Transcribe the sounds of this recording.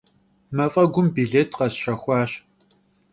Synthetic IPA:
mɐfʼɐɡʷʊmbiɮeːtʰqɐsɕɐxʷɑːɕ

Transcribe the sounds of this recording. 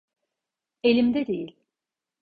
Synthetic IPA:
elʲimd̪ɛd̪ḛjilʲ

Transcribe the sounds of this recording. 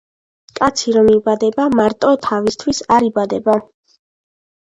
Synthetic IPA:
kʼat̪sʰiɾɔmibad̪ɛbamaɾt̪ʼɔt̪ʰavist̪ʰwisaɾibad̪ɛba

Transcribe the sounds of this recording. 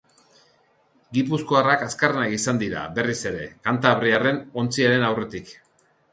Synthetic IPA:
ɡipuskoarakaskarenakisand̪iɾa̰be̞rise̞ɾe̞kant̪aβɾiare̞no̞nt͡siaɾe̞nawre̞t̪ik

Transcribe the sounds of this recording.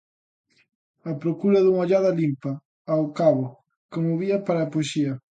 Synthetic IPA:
ɐpɾokuɾɐðuŋoʎaðɐlimpɐː | wkaβo | kɪmoβiɐpaɾɐaːpoeʃiɐ

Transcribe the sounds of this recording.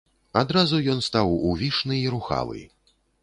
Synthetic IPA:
ad̪ɾazujɔnst̪awuvʲiʂnɨiɾuxa̰lˠɨ̰

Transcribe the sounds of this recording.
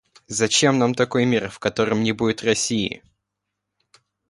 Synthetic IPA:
zɐt͡ɕe̞mnamt̪ɐko̞jmʲirfkɐt̪o̞ɾɨmnʲɪbudʲɪt̪rɐsʲiɪ̰

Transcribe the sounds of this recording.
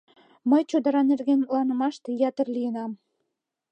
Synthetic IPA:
mə̆jt͡ɕod̪ɑɾɑnerɡenlɑnə̆mɑʃt̪ejɑt̪ə̆rlijənɑm

